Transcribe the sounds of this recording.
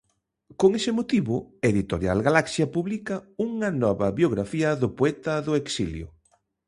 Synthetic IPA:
koŋesɪmot̪iβʊeðit̪oɾja̰lɣalaksjɐpuβlikɐuŋɐnɔβɐβjoɣɾafiɐðʊpoɛt̪ɐðʊeksiljʊ̰

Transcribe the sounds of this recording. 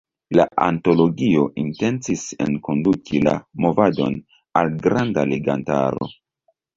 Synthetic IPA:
laʔanto̞lo̞ɡio̞ʔinte̞nt͡sise̞̰nko̞ndukʰila̰mo̞vado̞̰n | alɡɾandale̞ɡanta̰ɾo̞̰

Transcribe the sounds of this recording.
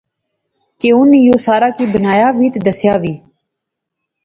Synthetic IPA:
keːʊnjoːsaːɾaːkiːbənaːjaːʋiːt̪d̪əsjaːʋiː

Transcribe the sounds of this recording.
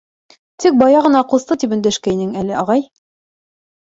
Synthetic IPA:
t̪ik̚bɑjɑʁɤ̆nɑquθt̪ɤt̪ipɵ̆nd̪æʃkæinɘŋælɘɑʁɑj

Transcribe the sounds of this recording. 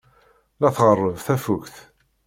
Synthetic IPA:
læθʁərˤːəvθæfukθ

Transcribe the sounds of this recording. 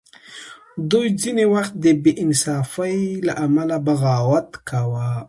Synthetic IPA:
d̪ujd͡zinewaxt̪̚d̪əbeʔɪnsɑfajlaʔamalabaɣɑwat̪kʰawa

